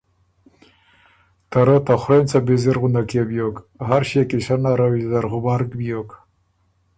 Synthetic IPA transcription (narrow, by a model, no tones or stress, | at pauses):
t̪aɾət̪axɾent͡sabiziɾɣund̪akebjok | ɦaɾɕekiɕanaɾawizaɾɣʊbaɾkbjok